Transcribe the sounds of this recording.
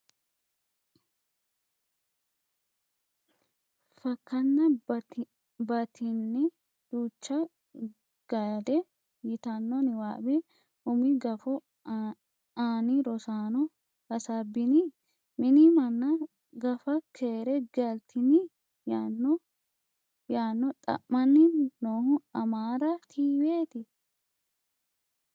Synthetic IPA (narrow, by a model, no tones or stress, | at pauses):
fɐkːɐnːɐ | bɐt̪ʰɪnːɛ | d̪̥uːt͡ʃːɐ | ɡ̥ɐd̪ɛ | jɪt̪ɐnːɔnɪwaːbɛ | ʔʊmɪɡɐfɔ | aːnɪɾɔsaːnɔ | kɐsɐbːɪnɪ | mɪnimɐnːɐ | ɡɐfɐkʰeːɾɛɡɐlt̪ʰɪnɪ | janːɔ | jaːnːɔt̪ʼɐ̰ʔmːɐnːɪnoːhʊɐmaːɾɐt̪ʰiːweːt̪ɪ